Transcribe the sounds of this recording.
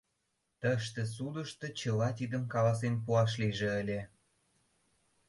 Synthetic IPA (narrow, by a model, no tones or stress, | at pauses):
t̪əʃt̪ĕs̬ud̪əʃt̪ɤ̆t͡ɕəlɑt̪id̪əmkɑlɑs̬enpuɑʃ̬liʒĕəlʲe